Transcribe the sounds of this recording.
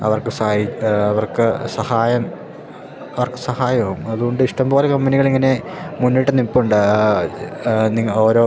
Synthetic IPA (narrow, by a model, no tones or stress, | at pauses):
ɐ̰ʋɐrkɨsɐjiɐʋɐrkɨsɐhaːjɐm | ɐʋɐrkɨsɐhaːjɐɐɣumɐðuɣo̞ɳɖɨiʂʈɐmbo̞ːlekɐmbɐniɣɐɭiŋːɐne̞munːiʈːɨnipːuɳɖɨ | niŋːɐo̞ːɾo̞ː